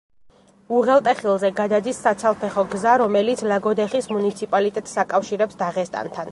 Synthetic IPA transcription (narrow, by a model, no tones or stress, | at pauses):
uʁɛlˠt̪ʼɛχilˠzɛɡad̪ad̪isːat̪sʰalˠpʰɛχɔɡzaɾɔmɛlit̪sʰlaɡɔd̪ɛχismunit̪sʰipʼalit̪ʼɛt̪ʼsakʼafʃiɾɛpsd̪aʁɛst̪ʼa̰nt̪ʰan